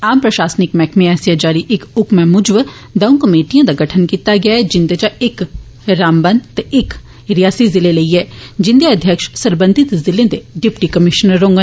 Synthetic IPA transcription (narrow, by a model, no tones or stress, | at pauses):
aːmpɾɐʃaːsnɪkmɛːkʰmẽɛːsjad͡ʒaːɾiʔɪkʊkmẽmʊd͡ʒʋ | d̪ɐũkɐmeːʈijãd̪aɡɐʈʰənkiːt̪aɡɐjad͡ʒɪ̃nd̪et͡ʃaek | ɾaːmbənt̪ɪk | ɾɪjaːsizɪlelɐiɦɛd͡ʒɪ̃nd̪eɐd̪ʱjəkʃsɐɾbə̃nd̪ʱɪt̪zɪlẽd̪eɖɪpʈikɐmɪʃnəɾːõːŋɡə